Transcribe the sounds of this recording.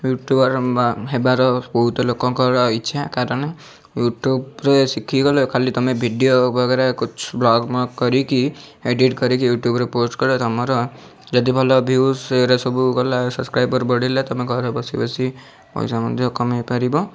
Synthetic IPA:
juʈjubʌɾɦebaɾɔbɔɦut̪ɔlokɔ̃kɔɾɔitːʃʰakaɾʌne | juʈjubɾesikʰiɡʌlekʰalit̪ʌmẽbʱiɖijobʱʌɡeɾakut͡ʃʰblɔɡmakʌɾiki | eɖiʈɡʌɾikijuʈjubɾeposʈkɔɾet̪amɔɾɔ | d͡ʒʌt̪̬ibʱɔlɔbʱuseɾesɔbukɔlasʌbskɾajbʌɾbɔɽilat̪ʌmẽɡʱɔɾɔbʌsibʌsi | pɔ̰jsamʌd̪ʱjokɔmepaɾibɔ

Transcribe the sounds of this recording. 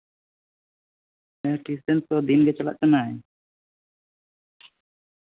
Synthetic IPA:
ɛʈisɛnsɔd̪inɡɛt͡ʃala̰ʔt͡ʃɔnaɛ

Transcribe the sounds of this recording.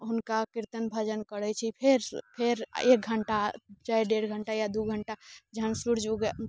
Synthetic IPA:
ɦunkakiɾt̪ənbʱəd͡ʒənkəɽɛt͡ʃʰipʰeɾpʰeɾek̚ɡʱəɳʈat͡ʃajɖeɽɡʱəɳʈajad̪uɡʱəɳʈad͡ʒɦənsuɾd͡ʒuɡ

